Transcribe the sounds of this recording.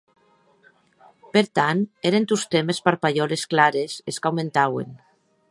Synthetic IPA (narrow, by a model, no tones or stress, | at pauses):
peɾt̪aneɾent̪ust̪emespaɾpaʎɔlesklaɾeseskawment̪awḛn